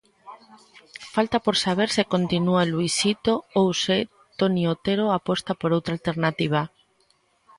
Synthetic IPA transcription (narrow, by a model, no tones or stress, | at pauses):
falt̪apoɾsaβ̞eɾsɪkont̪inualuisit̪oowse | t̪oniot̪eɾoapost̪apoɾowt̪ɾalt̪eɾnat̪iβ̞a